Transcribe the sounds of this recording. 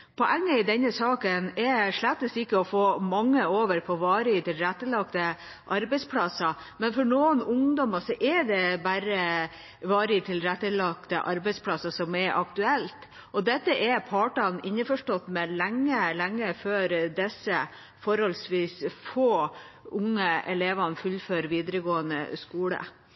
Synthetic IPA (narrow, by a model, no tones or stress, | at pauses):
pʰɔʔæŋːəɪd̪ɛnːəsɑːkənɛʂɭæt̪ːəsɪkːəɔfoːmɑŋːəoːʋəɾpʰɔʋɑːɾɪt̪ʰɪlɾɛt̪ːəlɑkt̪ə | ʔɑɾbɛɪspʰlɑsɑ | mɛnfɔɳoːənʊŋd̪ɔmɑsɔʔɛd̪ɛbæɾə | ʋɑːɾɪt̪ʰɪlɾɛt̪ːəlɑkt̪ə̰ʔɑɾbɛɪspʰlɑsɑsɔmɛɾʔɑkt̪ʉɛlt̪ | ʔɔd̪ɛt̪ːəʔɛpʰɑːʈɑnɪɲːəfɔʂʈɔt̪ːmɛlɛŋːəlɛŋːəføːɾd̪ɛsːə | fɔɾhɔlsʋiːsfoːʊŋːəɛleːʋɑnfʉlːføːɾʋiːd̪əɾəɡoːənə̰skuːlə̰